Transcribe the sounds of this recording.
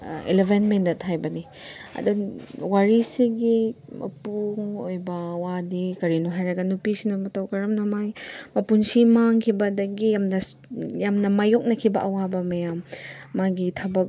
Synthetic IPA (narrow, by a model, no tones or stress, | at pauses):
ḛlebenmendɐtɦajbɐni | ɐ̰duwaɾisiɡimʔɐ̰puŋojbɐwadikɐɾinuɦajɾɐɡɐnupisinɐmɐtɐwkɐɾɐmnɐmajmɐpunsimaŋkʰibɐdɐɡijamnɐjamnɐmajok̚nɐkʰibɐʔɐwabɐmɐjamːaɡitʰɐbɐk̚